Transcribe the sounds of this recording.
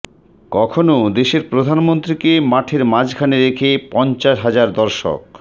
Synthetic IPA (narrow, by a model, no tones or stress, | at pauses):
kɔkʰonod̪eʃeɾpɾod̪ʱanmont̪ɾikemaʈʰeɾmad͡ʑɡʰʱaneɾekʰepɔnt͡ɕaʃɦad͡ʑaɾd̪ɔɾʃo̰k